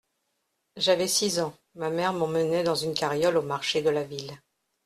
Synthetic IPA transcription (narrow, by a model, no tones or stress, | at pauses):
ʒavɛsizɑ̃ | mamɛʁmɑ̃mənɛd̪ɑ̃zynkaʁjɔlomaʁʃed̪əlavil